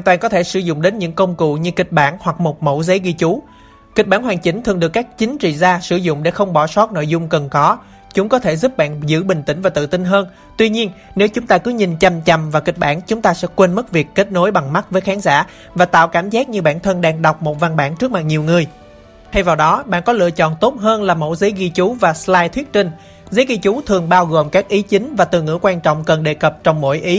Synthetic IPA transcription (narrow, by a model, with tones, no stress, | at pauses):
waː˨˧˨nt̪waː˨˩nkɔ˨˦t̪ʰe˧˩sɨ˧˩zʊ̰˧˨ŋ͡mɗe˨˦nɲɨ̰˧˥ŋkə˧wŋ͡mkṵ˧˨ɲɨ˧kï˨˩k̟̚ɓaː˧˩nhwa˨˩k̚mo˨˩t̚mo̰˧˩wzə˨˦jɣi˧t͡ɕu˨˦ | kï˨˩k̚ɓaː˧˥˩nɦwaː˨˩ŋt͡ɕï˨˦ŋ̟t̪ʰɨ˨˩ŋɗɨ˨˩əkːaː˦˥k̚t͡ɕï˨˦ŋ̟t͡ɕḭ˧˨zaː˧sɨ˧˩zʊ̰˧˨ŋ͡mɗḛ˧˥xə˧wŋ͡mɓɔ˧˩sɔ˦˥t̚no̰˧˨jzʊ˧ŋ͡mkə˨˩nkɔ˨˦ | t͡ɕʊ˨˦ŋ͡mkɔ˨˦t̪ʰe˧˩zu˦˥p̚ɓa̰ː˧˨nzɨ̰˧˥ɓï˨˩ŋ̟t̪ï˧˩ŋ̟vaː˨˩t̪ɨ̰˧˨t̪i˧ŋɦəː˧n | t̪wi˧ɲi˧ənne˨˦wt͡ɕʊ˨˦ŋ͡mt̪aː˧kɨ˨˦ɲï˨˩nt͡ɕa˨˩mt͡ɕa˨˩mvaː˨˩ki˨˩k̚ɓaː˧˩nt͡ɕʊ˨˦ŋ͡mt̪aː˧sɛ̰˧˥kwe˧nmɨ˦˥t̚vi˨˩əkːe˦˥t̚no˨˦jɓa˨˩ŋma˦˥t̚vəː˨˦jxaː˨˦ŋza̰ː˧˩ | vaː˨˩t̪a̰ː˧˨wkaː˧˩mzaː˦˥k̚ɲɨ˧ɓa̰ː˧˩˨nt̪ʰə˧nɗaː˧ŋɗa˨˩wk͡p̚mo˨˩t̚va˧nɓa̰ː˧˩nt͡ɕɨ˦˥ək̚ma˨˩k̚ɲi˨˩əwŋɨ˨˩əj | t̪ʰa˧jvaː˨˩wɗɔ˨˦ɓa̰ː˧˨nkɔ˨˦lɨ̰˧˨ət͡ɕɔ̰˧˨nt̪o˦˥t̚ɦəː˧nlaː˨˩mo̰˧˥˩zə˨˦jɣi˧t͡ɕu˨˦vaː˨˩slaː˧jt̪ʰwi˦˥ət̚t͡ɕï˧ŋ̟ | zə˨˦jɣi˧t͡ɕu˨˦t̪ʰɨ˨˩əŋɓaː˧wɣo˨˩mkaː˦˥k̚ʔi˨˦t͡ɕï˨˦ŋ̟vaː˨˩t̪ɨ˨˩ŋɨ̰˧˥kwaː˧nt͡ɕɔ̰˧˨wŋ͡mkə˨˩nɗe˨˩kə˨˩p̚t͡ɕɔ˧wŋ͡mmo̰˧˥˨jʔi˨˦